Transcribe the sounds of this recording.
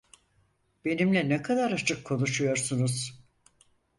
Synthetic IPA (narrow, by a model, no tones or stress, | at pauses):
b̥e̞nimlʲɛnɛkʰad̪aɾat͡ʃʰɯkʰːo̞nuʃujo̞ɾsunuz̥